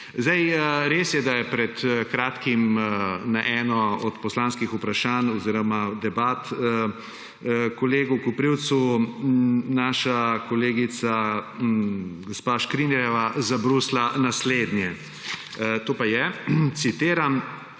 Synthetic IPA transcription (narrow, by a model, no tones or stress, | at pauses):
zd̪ɛjɾeːsjɛd̪ajɛpɾɛt̪kɾaːt̪kimnaʔɛːnɔɔt̪pɔslaːnskixupɾaʃaːnɔziːɾɔmad̪ɛbaːt̪ | kɔleːɡukupɾiwt̪su | naːʃakɔleːɡit̪sa | ɡɔspaːʃkɾinɛɾjɛʋazabɾuslanasleːd̪nʲjɛ | t̪oːpajɛt̪sit̪eːɾam